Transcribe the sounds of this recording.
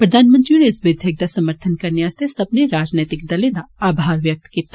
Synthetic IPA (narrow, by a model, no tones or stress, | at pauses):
pɾɐd̪ʱaːnmə̃nt̪ɾinesʋɪd̪ʱjeɡ̚d̪asɐməɾt̪ʰənkɐneaːst̪ʰesɐbneɾaːd͡ʒneːt̪ɪk̚d̪ɐled̪aaːbʱaːɾʋjɐk̚t̪kiːt̪a